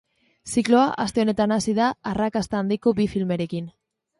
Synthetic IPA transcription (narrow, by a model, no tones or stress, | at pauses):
siklo̞aʔast̪e̞o̞ne̞t̪anasiðaːrakast̪aːnd̪iko̞bifilme̞ɾe̞kin